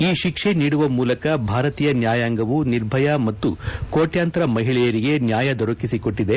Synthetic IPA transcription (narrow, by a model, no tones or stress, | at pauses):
iːʃikʂe̞niːɽuʋɐmuːlɐkɐbʱaːɾɐt̪iːjɐnjaːjaːŋɡɐʋuniɾbʱɐjɐmɐt̪ːukoːʈjaːnt̪ɐɾɐmɐɦiɭɛjɐɾiɡe̞njaːjɐd̪oɾɐkisiko̞ʈːid̪e